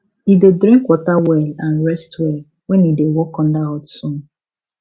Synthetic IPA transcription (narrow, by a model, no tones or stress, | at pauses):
idedɾĩŋkwɔtawɛlãnɾɛstwɛl | wɛnidewɔkɔ̃n̩daɔtsũn